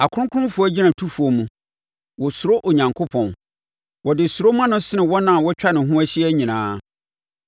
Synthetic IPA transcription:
a˨kʰʊ˦ʊ̃˦kʰʊ˦ʊ̃˦fʊ˨˦ɔ˦d͡ʑi˦nã˨tʰu˦fu˨ɔ˨mũ˨ | wɔ˨sʊ˨ɾo˦ʔo˨ɲã˨ŋkʰo˦pʰɔ̃˨n | wɔ˨dɪ˨sʊ˨ɾo˦mã˦nʊ̃˦sɪ˦nɪ̃˨wɔ˦nã˨wɔ˦t͡ɕᶣa˦nɪ̃˨ɦũ˦æ˦ɕi˦ɛ˦ɲĩ˨nãː˨˦

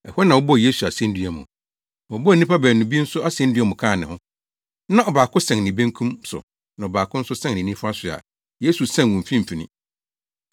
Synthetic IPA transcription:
ɛ˨hɛ˦nã˨wɔ˦bɔ˦˨je˦su˨a˨sɛ̃˦n̩dɥɛ˨mʊ̰̃˨ | ɔ˨˦bɔ˦˨nĩ˦pʰa˦bæː˨nũ˨bi˦n̩˦sʊ˦ʔa˦sɛ̃˦n̩˦dɥɛ˦mʊ̃˨kʰãː˦˨nɪ̃˨hʊ̃˦ | nã˦˨ɔ˨baː˨kʰʊ˦sɛ̃˨ŋnɪ̃˨bẽ˦ŋkʰũ˦msʊ̰˨ | nã˨ɔ˨baː˨kʰʊ̃˦n̩˦sʊ˦sɛ̃˦ŋ˨nɪ̃˨nĩ˦fa˦sʊ˨a̰˨ | je˦su˨sã˦˨wũ˨fĩ˦m̩˨fi˨nɪ̰̃˦

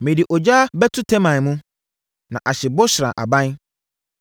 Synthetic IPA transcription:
mɪ̃˨di˨ʔɔ˨d͡ʑa˦bɛ˦tʰʊ˦tʰɛ̃˦mã˨n˨mũ˦ | nã̰˨ʔa˨ɕɪ˨bɔ˦ɕɪ˨ɾã̰˨ʔa̰˨bã˦n

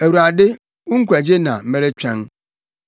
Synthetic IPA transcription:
e˨wɾa˨dɪ˦ | u˦ŋ̩˦kʷe˨d͡ʒe˦na̰˨m̩˦me˦ɾe˦t͡ʃʷᶣe˦ŋ̩˦

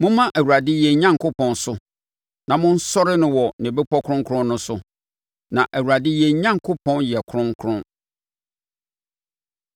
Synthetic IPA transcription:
mʊ̃˦mã˦ʔæ˨wu˨ɾa˨dɪ˦jɛ˨ɲã˦ŋkʊ˦pʰɔ̃˨nsʊ˨ | nã˨mʊ̃˦n̩˦sɔ˦ɾɪ˦nʊ̃˦wɔ˨nɛ̃˨be˦pʰɔ˦kʰʊ̃˦ŋ˦kʰɾʊ̃˦nːʊ̃˦sʊ˨ | nã̰˨ʔæ˨wu˨ɾa˨dɪ˦jɛ˨ɲã˦ŋkʰʊ˦pʰɔ̃˦njɛ˨kʰʊ˦ɾʊ̃˦ŋkʰɾʊ̃˦n

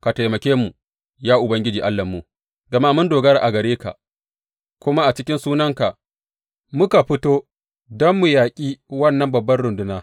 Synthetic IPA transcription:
ka˨tɐ˨jmɐ˨kʲeː˦mu˨ | jaː˦ʔʊ˨bɐ˦ŋɡʲɪ˦d͡ʒiː˨ʔa˦lːɐ˨mːu˦ | ɡɐ˨ma˦mʊ˦ndoː˨ɡɐ˦ɾa˨ʔa˨ɡɐ˨ɾeː˦ka̰˨ʔ | kʷʊ˦ma˦ʔa˨t͡ʃɪ˦kʲɪ˦nsuː˦nɐ˦ŋka˨ | mʊ˦ka˨ɸɪ˦toː˦ | dɔ˦mːʊ˨jaː˨kʲʼiː˦wɐ˦˨nːɐ˦mbɐ˨bːɐ˦nɽʊ˨ndʊ˦naː˦

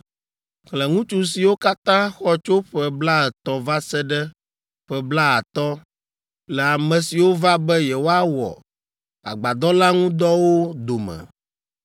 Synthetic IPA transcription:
klɛ˨ŋũ˦t͡ʃu˦si˨wo˦ka˦t̪ã˦xɔ˦t͡ʃo˦ɸɛ˦bla˦ɛ˨t̪ɔ˨va˦sɛ˦ɖɛ˦ | ɸɛ˦bla˦a˨t̪ɔ˦ | lɛ˨a˨mɛ̃˨si˨wo˦va˦bɛ˦jɛ˨wo˦a˦wɔ̰˨ | a̰˨ɡ͡ba˨d̪ɔ˦la˦ŋũ˦d̪ɔ˦wo˦d̪o˨mɛ̰̃˨

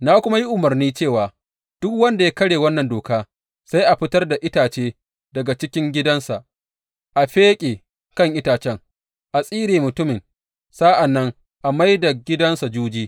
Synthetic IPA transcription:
naː˦kʷʊ˦ma˦ji˦ʔʊ˨mɐ˨rniː˦t͡ʃeː˦˨waː˨ | d̥ʊ˦kwɐ˦nda˨ja˦kɐ˦ɽeː˨wɐ˦nːɐ˨ndoː˨kaː˦ | sa˦jʔa˨ɸɪ˦tɐ˦rda˨ʔɪ˦taː˨t͡ʃeː˦ | dɐ˨ɡa˨t͡ʃɪ˦kʲɪ˦ŋɡʲɪ˦dɐ˦nsa˨ʔ | ʔa˨ɸeː˦kʲʼeː˨ | kɐ˦˨ŋʔɪ˦taː˨t͡ʃɛ˦ŋ | ʔa˨sʼiː˦ɾeː˨mʊ˨tʊ˦mɪ˨ŋ | sa˦ʔa˨nːɐ˦ŋ | ʔa˨ma˦jda˨ɡʲɪ˦dɐ˦nsa˨d͡ʒuː˦d͡ʒiː˦

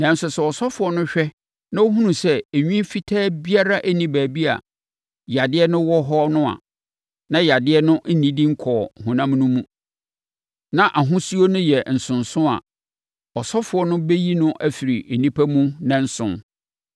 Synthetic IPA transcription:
nã˨n̩˦sʊ˨sɛ˦˨ɔ˨sɔ˦fʊ˨˦ɔ˦nʊ̃˦ɕᶣɛ˦ | nã˦o˦ɦũ˦nũ˨sɛ˦e˨ɲᶣĩ˦fi˦tʰɛː˦bi˦a˦ɾa˦ʔæ˦nĩ˨bæː˨bi˦a̰˨ | ja˨dɪ˦ɛ˦nʊ̃˦wɔ˦ɦɔ˦nʊ̃˦a̰˨ | nã˦ja˨dɪ˦ɛ˦nʊ̃˦ʔn̩˦nĩ˦dĩ˦ŋ̩˦kʰɔː˨hũ˨nã˦m˦nʊ̃˦mũ˦ | nã˦ʔa˨ɦʊ̃˦su˦o˦nʊ̃˦jɛ˨n̩˨sʊ̃˨nsʊ̃˦a̰˨ | ɔ˨sɔ˦fʊ˨ɔ˦nʊ̃˦be˦ji˦nʊ̃˦ʔæ˦fi˨ɾi˨e˨nĩ˦pʰæ˦mũ˦nã˦n̩˦sʊ̰̃˨˦n

